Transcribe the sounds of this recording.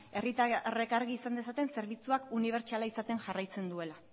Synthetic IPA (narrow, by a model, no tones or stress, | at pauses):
e̞rirekaɾɣiːsand̪e̞sat̪e̞nse̞ɾβit͡suakuniβ̞e̞ɾt͡ʃalaisat̪e̞nʝarajt͡se̞nd̪ue̞la